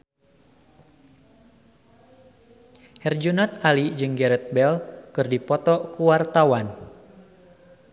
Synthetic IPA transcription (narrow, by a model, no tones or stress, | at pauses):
hɛrd͡ʒunɔt̪alid͡ʒɨŋɡɛɾɛt̪̚bɛlkɨrdipɔt̪ɔkuwart̪awan